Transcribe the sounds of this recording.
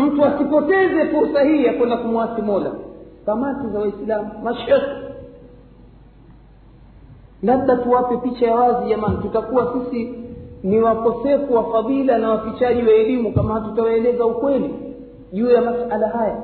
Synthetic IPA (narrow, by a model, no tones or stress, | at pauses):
m̩tuasipɔtɛzɛfuɾsahiːjakwɛndakumwaθimɔla̰kamatizawaislamumaʃɛki | laɓ̚ɗatuwapɛpit͡ʃajawaziʄamanitutakuwasisiniwakɔsɛfuwafaðilanawafit͡ʃaʄiwaɛlimukamahatutawaɛlɛzaukwɛli | ʄuːjamasalaɦaja